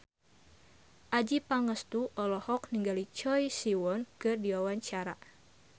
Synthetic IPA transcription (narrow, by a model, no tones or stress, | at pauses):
ʔad͡ʒipaŋəst̪uʔɔlɔhɔk̚niŋɡalit͡ʃɔjsiwɔnkɨrdiwawaɲt͡ʃaɾa̰